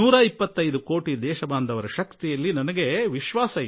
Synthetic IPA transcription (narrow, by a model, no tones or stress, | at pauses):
uːɾɐipːɐt̪ːɐjd̪uko̞ːʈid̪ɛːʃɐbaːnd̪ʱɐʋɐɾɐʃɐkt̪ijɐlːinɐnɐɡe̞ʋiʃʋaːsɐ